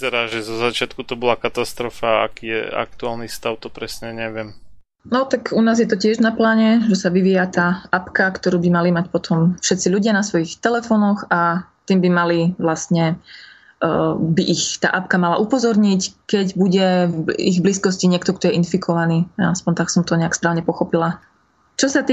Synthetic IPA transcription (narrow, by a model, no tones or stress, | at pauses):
zɛɾaːʒɛzɔzat͡ʃɪat̪kut̪ɔbɔlakat̪ast̪ɾɔfaa̰kiːjɛ̰a̰k̚t̪uaːlnist̪aʊt̪ɔpɾɛsɲɛɲɛʋɪɛm | nɔt̪akunaːzjɛt̪ɔcɪɛʒnaplaːɲɛʒɛsaʋiʋijat̪aːʔapkakt̪ɔɾuːbimalimacpɔt̪ʰɔmfʃɛt̪t͡siʎuɟɪanasʋɔjixt̪ɛlɛfɔnɔxat̪iːmbimaliʋlast̪ɲɛ | biʔixt̪a̰ːʔapkamalaʔupɔzɔɾɲickɛɟbuɟɛiɣbliskɔsciɲɪɛkt̪ɔkt̪ɔjɛʔinfikʰɔʋaniːa̰aspɔɲt̪aksɔmt̪ɔɲɛakspɾaːʊɲɛpɔxɔpila | t͡ʃɔsat̪i